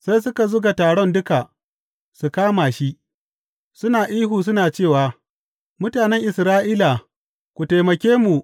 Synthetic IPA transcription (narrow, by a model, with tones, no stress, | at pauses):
sa˦js̬ʊ˦ka˨zʊ˦ɡa˨taː˨ɽɔ˦ndʊ˦ka˨ | su˨kaː˦maː˨ʃi˦ʔ | sʊ˦naː˨ʔiː˦ɦuː˨s̬ʊ˦naː˨t͡ʃeː˦˨waː˨ | mʊ˦taː˨nɛ˦ŋʔɪ˨sɾaː˦ʔiː˦la˨ | kʷu˨ta˨jmɐ˨kʲeː˦mu˨ʔ